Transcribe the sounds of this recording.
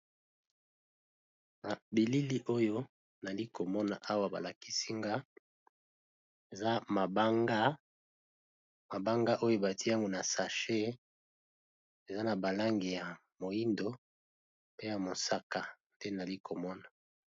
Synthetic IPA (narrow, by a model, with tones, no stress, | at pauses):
na˨bi˨li˦li˦ʔo˦jo˦ | na˨li˦ko˨mɔ˦na̰˨ʔa˦wa˨ba̰˨la˨ki˦si˦ŋɡa˦ | e˨za˦ma˨ba˦ŋɡa˦ | ma˨ba˦ŋɡa˦ʔo˦jo˦ba˨ti˦ja˦ŋɡo˨na˨sa˨ʃe˦ | e˨za˦na˨ba˨la˦ŋɡi˨ja˨ | mo˨ji˦ndo˦ | pe˦ja˨mo˨sa˦ka˨nde˦na˨li˦kʰo˨mɔ˦na˨